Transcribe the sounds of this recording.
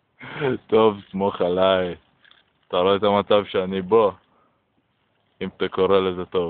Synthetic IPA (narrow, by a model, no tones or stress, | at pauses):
t̪ovsmoχalaj | t̪aʁoeet̪amat͡savʃeanibo̞ | imt̪ako̞ʁelezet̪o̞v